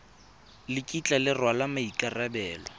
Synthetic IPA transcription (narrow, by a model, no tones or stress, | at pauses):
lɪkʼit͡ɬʼalɪrwalamaikʼarabɛːlɔ